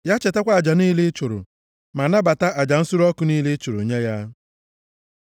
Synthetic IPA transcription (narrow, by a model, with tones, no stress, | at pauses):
ja˦t͡ʃe˨ta˦kʷa˦˨d͡ʒa˨niː˦le˦t͡ʃʊ˨ɾʊ̰˨ | ma˨na˦ba˨ta˦ʔa˨d͡ʒa˨n̩˦sʊ˦ɾɔ˦kʊ˦ni˦le˦t͡ʃʊ˨ɾo̰˨ɲe˦ja˦